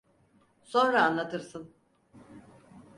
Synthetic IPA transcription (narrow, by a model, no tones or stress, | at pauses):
so̞nɾaːnlˠat̪ʰɯɾsɯn